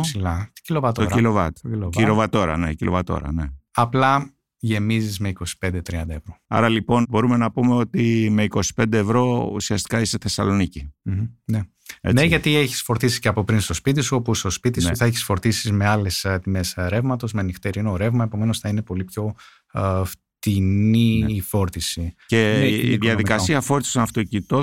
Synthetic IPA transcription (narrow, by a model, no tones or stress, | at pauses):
silɐ̥cilovɐt̪ooɾilovɐt̪ilovilovɐt̪o̞ɾɐ̰necilo̞̰vɐt̪o̞̰ɾɐ̰ne̞ɐplɐ | ʝe̞mizizme̞iko̞si̥pe̞nd̪e̞t̪ɾiɐnd̪ɐevɾo̞ɐ̰ɾɐlipo̞nbo̞ɾume̞nɐpume̞o̞t̪ime̞iko̞si̥pe̞nd̪eːvɾo̞ṵsiɐst̪i̥kɐiseθe̞sɐ̰lo̞nicim̩ne | ḛneʝɐt̪ieçi̥sfo̞ɾt̪isi̥ceɐpo̞pɾinst̪o̞spit̪isuo̞pust̪o̞spit̪isuθɐeçi̥sfo̞ɾt̪isizme̞ɐle̞st̪ime̞sɾe̞vmɐt̪o̞zmenixt̪eɾinoɾe̞vmɐe̞po̞me̞nosθɐine̞po̞lipço̞ | f | t̪iniːfo̞ɾt̪isice̞iðiɐððikɐsiɐfo̞ɾt̪i̥sonɐft̪ocit̪o